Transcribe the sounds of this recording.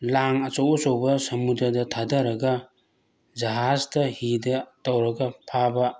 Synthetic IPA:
laŋɐt͡ʃowɔsowbɐsɐmudɐdɐtʰadɐɾɐɡɐ | d͡ʒɐɦazdɐhidɐtɐwɾɐɡɐpʰabɐ

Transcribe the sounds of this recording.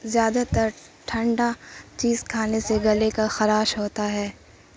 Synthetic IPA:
zjaːd̪at̪ɐɾʈʰɐ̃ɳɖat͡ʃiːzkʰaːneseɡɐlekaxɐɾaːʃɦoːt̪aɦɛː

